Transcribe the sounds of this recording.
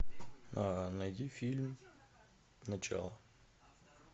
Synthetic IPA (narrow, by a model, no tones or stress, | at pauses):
anɐjdʲifʲilʲm | nɐt͡ɕa̰lˠə